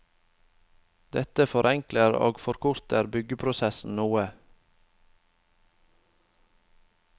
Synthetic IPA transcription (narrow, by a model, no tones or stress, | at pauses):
d̪̥ɛt̪əfɔɾʔɛŋkləɾo̰ːɡfɔɾkʰʊɾt̪əɾbʏɡəpʰɾʊsɛsn̩nuːə